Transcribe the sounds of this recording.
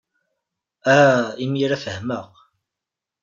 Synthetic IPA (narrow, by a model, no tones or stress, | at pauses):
æimjiɾæfəhməq